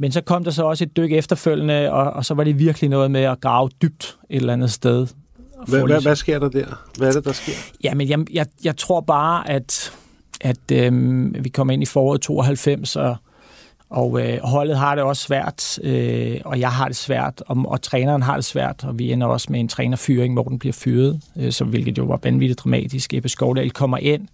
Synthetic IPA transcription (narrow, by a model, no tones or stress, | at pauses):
mensɒ̽kʰɒ̽m̰d̥ɑ̈s̬ɒ̽ɒ̽səe̝d̥̚ːøɡ̥efd̥ɐføl̰ənəɒ̽ːsɒ̽ʋɑ̈ɾe̝ʋiɐɡ̥əlinɔ̽ːð̞̩ˠmeɒɡ̥ʁɑ̈ʊd̥yb̥̚d̥e̝ɾ̥elænð̩ˠsd̥eð̞ˠfɔæsɡ̥e̝ɐ̰d̥ɑd̥æɐ̰ʋæɐɾe̝d̥ɑsɡ̥e̝ɐ̰jæmenjɑjɑ̈ɪjɑ̈ɪt͡sʰʁo̝ɐ̰b̥ɑ̈ːʔæd̥ | ʔæd̥øʋikʰɒ̽m̰ɐe̝n̰ifɒːɒ̰ːð̩̰ˠt͡sʰo̝̰ːɒɦælfem̰sɒ̽ | ɒʊøɦɒ̽l̰ð̞̩ˠɦɑ̈ɾ̥e̝ɒ̽sːʋæɐ̰d̥øɒ̽jɑ̈ɪɦɑ̈ɾ̥e̝sʋæɐ̰d̥ɒ̽ɒ̽t͡sʰʁɛːnɐːn̩ɦɑ̈d̥e̝sʋæɐ̰d̥ɒ̽ʋienɐɒ̽smee̝nt͡sʰʁɛːnɐfyːɐʁeŋmɒ̰ːd̥n̩b̥liɐ̰fyːɐð̞̩ˠøsɒ̽ʋe̝lɡ̥ð̩ˠjo̝ʋɑ̈ʋænʋid̥iðd̥ʁɑ̈mɛ̰ːd̥isɡ̥eb̥esɡ̥ɒʊd̥ɛ̰ɪlkʰɒ̽m̰ɐʔe̝n̰